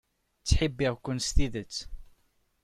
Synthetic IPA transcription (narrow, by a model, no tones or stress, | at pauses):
t͡sːħəbːiʁkːʊnst̪iðət͡sː